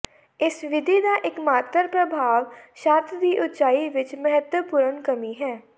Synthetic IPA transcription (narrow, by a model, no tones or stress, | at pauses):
ɪsʋɪd̪ʱid̪aʔɪkmaːt̪əɾpɾəbʱaːʋʃaːɾt̪ʰd̪iːʔʊt̪t͡ʃaːiʋɪt͡ʃməɦət̪wəpuːɾənkəmiɦɛː